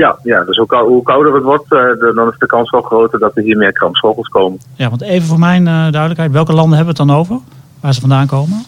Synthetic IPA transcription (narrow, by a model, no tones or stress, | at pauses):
jajadəsukɦukawdərətʋɔɹtdɔnɪsdəkɑnsʋɔlˠχrowtədɔtʋəɦiːmɪːɹkrɑmpshowχəlˠskowmənjaʋɑ̃ntejvənvoːɹmɛjndœɥdələkɦɛjtʋɛlˠkəlɑndəɦɛbəʋətdɑnowvəɹ | ʋaːɹzəfɔndaːŋkowmən